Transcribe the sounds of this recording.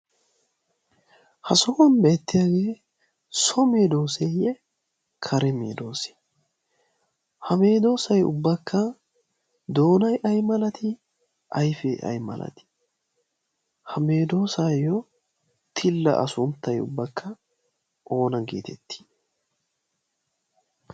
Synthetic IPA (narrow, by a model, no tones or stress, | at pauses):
hɐsɔːɐnbeːt̪ːɪjaːɡe̞ː | sɔmeːd̪o̞ːsejɛ | kʰɐɾɛmḛːd̪o̞ːse̥ | hɐme̞ːd̪o̞ːsɐjʊ̰bːɐkʰːɐ | d̪o̞ːnɐjʔɐjmɐlɐt̪ɪ | ʔɐjfɛʔɐ̰jmɐ̰lɐ̰t̪ɪ̥ | hɐme̞ːd̪o̞ːsɐjɔ | t̪ʰɪlːɐ̰ʔɐ̰sʊnt̪ːɐjʊ̰bːɐkːɐ | ʔo̞ːnɐɡḛːt̪ʰɛ̰t̪ːi̥